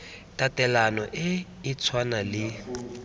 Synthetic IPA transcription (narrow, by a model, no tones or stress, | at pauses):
tʼatʼɛlanɔʔɪː | t͡sʰwanalɪ